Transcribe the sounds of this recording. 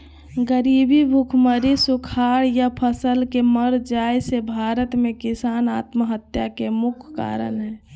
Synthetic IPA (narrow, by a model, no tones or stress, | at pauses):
ɡəɾibibʱukʰməɾisukʰaɾjapʰəsəlkeməɾd͡ʒajsebʱaɾət̪mẽkisanaːt̪məɦət̪jakemukʰːa̰ːɾə̰nɦɛː